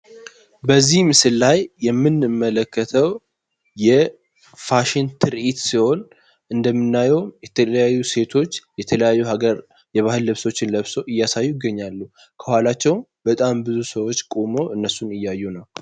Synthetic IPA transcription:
bəzːihmɨsɨlːajːɛmːɨnɨmːələkːət̪ʰəw | jɛ | faʃɪnt̪ʰɨɾʔit̪siho̞n | ʔɨnd̪əmːɨnːajɛwjɛt̪ʰələjajːuse̞t̪ʰo̞t͡ʃːjɛt̪ʰələjajːuhaɡəɾ | jɛβahɨlːɨβso̞t͡ʃːɪnləβso̞ʔɨjːasajːujɪɡːəɲːalːu | kʰəhwalat͡ʃːɛwmbət̪ʼambɨzusəwo̞t͡ʃːkʼomo̞ʔɨnːəsunɨjːajːunəw

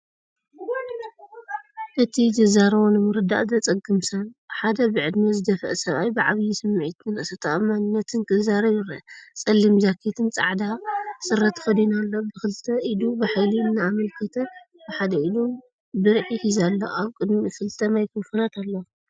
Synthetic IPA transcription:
ʔɨt̪ʰizɨzaɾwonɨmɨɾɨd̪a̰ʔzɐt͡sʼɐɡɨmsanħad̪ɐbɨʕɨd̪mɐzɨd̪ɐfɐ̰ʔsɐβajbɨʕaβjisɨmːʕit̪ɨnɨsɐt̪ʰaʔɐmanɨnːɐt̪ʰɨnkʼɨzaɾɐjɪɾɐt͡sʼɐlːimzakʰet̪ʰɨnt͡sʼa̰ʕd̪asɨrːɐt̪xɐd̪inalːobɨxɨlt̪ʰɐʔid̪ubɨħajliɨnːaamɐlkʰɐt̪ʰɐ | b̥ɨħad̪ɐʔid̪u | bɨɾʕihizalːo̰aβkʼɨd̪mifɨlt̪ʰɐmajkʰɨfunat̪ʰalːɐ

